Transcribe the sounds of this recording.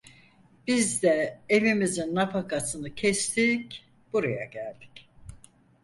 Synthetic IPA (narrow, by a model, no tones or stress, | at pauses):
b̥izd̪ɛevimizinːafakʰasɯnɯcʰɛst̪ʰiːc | b̥uɾaja̰ɟælʲd̪i̥c